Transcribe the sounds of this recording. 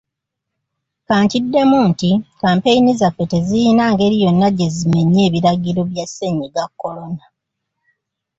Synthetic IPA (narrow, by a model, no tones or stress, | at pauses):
kaːɲcidːe̞muːntikaːmpejinizafːe̞tezijinaːŋɡe̞ɾijo̞nːaɟe̞zime̞ɲːe̞ːβiɾaɡiɾo̞βjase̞ɲiɡakːo̞lo̞na